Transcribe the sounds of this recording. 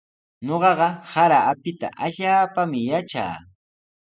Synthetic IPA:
ɲoɢɑɢɑhaɾaːpɪt̪a̰ʔaʎaːpamɪjat͡ʃa̰ː

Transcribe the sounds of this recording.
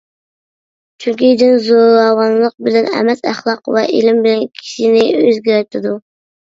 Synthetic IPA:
t͡ʃʰyŋkʲid̪ɪnzoɾɑwɑnlˠəq̚bɪlɛnɛ̰mɛt̪æχlˠɑqvɛ̰ʔelɪmbɪlɛnkʲʰi̥ʃinɪøzɡʲæɾt̪ʰɪd̪u

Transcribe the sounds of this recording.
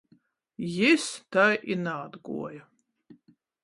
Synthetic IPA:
jist̪ʰajʔinaːd̪ɡṵɔjɐ

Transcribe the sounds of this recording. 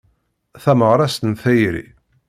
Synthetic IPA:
θæməʁɾˤɑst̪ənθæjɾḭ

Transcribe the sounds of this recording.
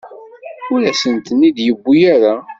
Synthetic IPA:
ʊlæsənt̪ənːid̪jəbːujaɾa

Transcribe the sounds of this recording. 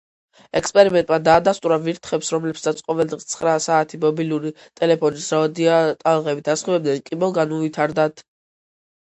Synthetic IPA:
ɛkspʼɛɾimɛnt̪ʼmad̪aːd̪ast̪ʼuɾaviɾt̪ʰχɛpsɾɔmlɛpsat̪sʰqʼɔvɛld̪ʁist̪sʰχɾasaːt̪ʰimɔbiluɾi | t̪ʼɛlɛpʰɔnisɾaɔd̪iat̪ʼalˠʁɛbit̪ʰasχibɛb̚d̪ɛnkʼibɔlˠɡanuvit̪ʰaɾd̪at̪ʰ

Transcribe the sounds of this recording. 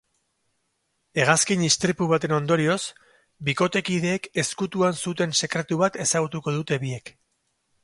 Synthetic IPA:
e̞ɣ̞askinist̪ɾipuβ̞at̪e̞no̞nd̪o̞ɾio̞s | biko̞t̪e̞kiðe̞ːke̞skut̪uansut̪e̞nse̞kɾe̞t̪uβat̪e̞saɣ̞ut̪uko̞ð̞ut̪e̞βie̞k

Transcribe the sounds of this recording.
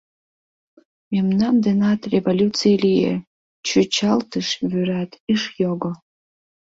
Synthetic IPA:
memnamdɨnatʰrʲevolʲut͡sʰijelijḛ | t͡ʃʰɨt͡ʃʰaltʰɨʂvyratʰiʂjoɡo

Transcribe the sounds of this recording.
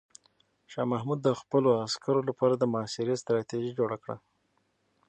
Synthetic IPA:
ʃɑmahmud̪ːəxpəloaskaɾolapɑɾad̪əmʊɑːsɪɾest̪ɾɑt̪eʒid͡ʒoɽakɽa̰

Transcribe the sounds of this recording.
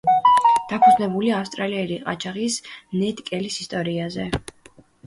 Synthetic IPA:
d̪̥apʰud̪znɛbuliafst̪ʼɾaliɛɾiqʼa̰t͡ʃʰaʁismnɛt̪ʼkʼɛlisist̪ʼɔɾiazɛ

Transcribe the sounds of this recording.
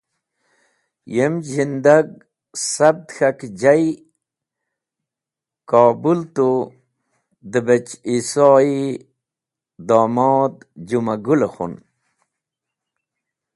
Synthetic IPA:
jemzind̪aɡ̚ | sab̚d̪xakd͡ʑaj | kɑːbult̪o | d̪əbet͡ɕisɑi | d̪aːmɔːd̪d͡ʑumaɡulexṵn

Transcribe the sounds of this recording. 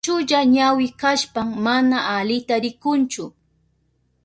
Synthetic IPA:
ʊʎaɲawɪkaʃpaŋmanaʔalɪt̪aɾɪkʊnt͡ʃʊ

